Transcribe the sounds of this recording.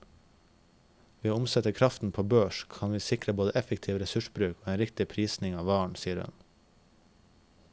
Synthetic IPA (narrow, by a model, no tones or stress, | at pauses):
ʋiːoʊmsɛt̪əkʰɾɑft̪n̩pʰoːbøːʃkʰɑnʋiːsɪkɾəboːd̪əʔɛfɛkt̪ʰiːʋɾɛsʉʃbɾʉːkoːeːnɾɪkt̪ɪpʰɾiːsnɪŋɑːʋɑːɳsiːəɾʉ̰n